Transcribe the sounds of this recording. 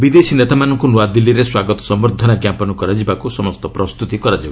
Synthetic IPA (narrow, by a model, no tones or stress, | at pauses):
bid̪esinet̪amanɔŋkunuad̪ilːiɾeswaɡɔt̪ɔ̥sɔmɔɾd̪ʱɔnakjapɔnɔkɔɾad͡ʒibakusɔmɔst̪ɔpɾɔst̪ut̪ikɔɾad͡ʒiba